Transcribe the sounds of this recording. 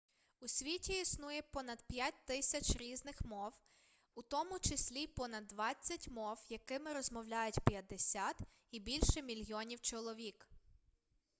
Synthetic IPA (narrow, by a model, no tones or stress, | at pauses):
usʲʋʲitʲiisnujɛpɔnɐd̪pʲjat̚ʲt̪ɪsʲɐt͡ʃʲɾʲiznɪxmɔw | ut̪ɔmʊt͡ʃɪsʲlʲipɔnɐd̪ːʋɑt͡sʲːɐtʲmɔwjɐkɪmɪɾɔzmɔwlʲajʊtʲpjɐd̪esʲat̪ | ibʲilʲʃɛmʲilʲjɔnʲiwt͡ʃɔlˠɔʋʲik